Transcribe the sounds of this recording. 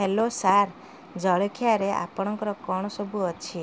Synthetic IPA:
ɦelosaɾ | d͡ʒɔɭɔkʰijaɾeʔa̰pɔɽ̃ɔŋkɔɾɔkɔɽ̃ɔsɔbuɔt͡ʃʰi

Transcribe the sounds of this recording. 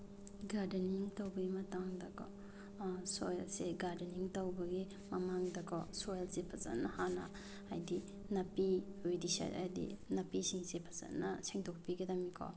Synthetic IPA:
ɡaɾdeniŋtawbɐɡimɐtaŋdɐkʰɔ̰ | sojlseɡaɾdeniŋtawbɐɡi | mɐmaŋdɐkʰɔ̰sojlsepʰaza̰nːahana̰ | ajdi | nɐpiujdisa̰a̰dḭnɐpisiŋsepʰḁza̰nːɐseŋdɔk̚piɡedɐmikʰɔ̰

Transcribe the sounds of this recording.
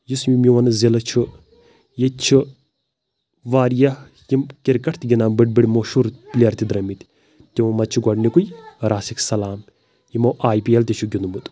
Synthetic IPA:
jismimiwɐnɨzilɐt͡ʃʰu | jet͡ʃʰɨ | ʋaːɾjɐ | jimkiɾkɐʈʰt̪ɡʲinaːmbɨʈbiɽmoʃuɾplʲɐɾt̪id̪ɾɐmit̪ | t̪iwɐmɐt͡ʃʰuɡɐɽnikujɾʔaːsiksɐlaːm | jimoʔaːjpiɐlt̪ʲit͡ʃʰuɡʲinumut̪

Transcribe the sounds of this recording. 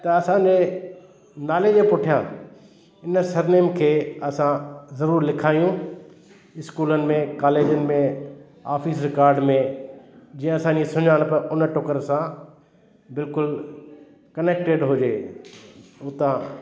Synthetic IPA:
t̪ɐɐsãd͡ʑeː | naːled͡ʑẽpʊʈʰijãː | ɪnsɐɾneːmkʰeːɐsãzɐɾuːɾlɪkʰaːjũ | ɪskuːlənɪ̆mẽkaːleːd͡ʑənɪ̆mẽ | a̰ːfisɾɪkaːɾɖmẽ | d͡ʑiːə̃ɐsãːɲd͡ʑesʊɲaːɽ̃pɐʔʊnʈokəɾsã | bɪlkʊl | kɐneːk̚ʈeɖɦʊd͡ʑeː | ʊt̪ã

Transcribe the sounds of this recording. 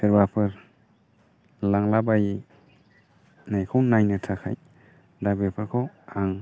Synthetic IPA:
sɯɾbapʰɯɾ | laŋlabaj | najkʰɔwnajnɯtʰakʰaj | dabepʰɯɾkʰɔw | aŋ

